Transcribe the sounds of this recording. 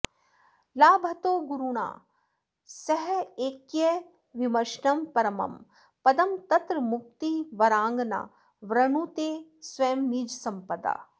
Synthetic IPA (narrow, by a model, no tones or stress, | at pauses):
laːbʱɐt̪oːɡuɾuɽa̰ː | sɐɦeːkjɐ | ʋimɐɾʃnɐmpɐɾɐmɐ̰m | pɐd̪ɐmt̪ɐt̪ɾmʊk̚t̪iʋɐɾãːŋɡna̰ː | ʋɾɐɳuːt̪eːsʋɐjmniːd͡ʒsɐmpɐd̪a̰ː